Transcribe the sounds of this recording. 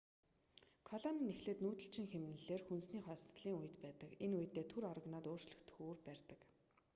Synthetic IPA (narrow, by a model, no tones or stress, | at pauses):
kʰɔɮɔninexɮeːt̪nuːt̪ɘ̆ɬt͡ɕʰĭŋxemnɘ̆ɮeːrxunsniːχɔːst͡s̪ɮiːŋujə̆t̪pæːt̪ə̆kenujə̆t̪ːeːt̪ʰuɾɔr̆ɣnɔːt̪oːr̥t͡ɕɮə̆xt̪ʰɵ̥xuːrpæːrʲt̪ə̆k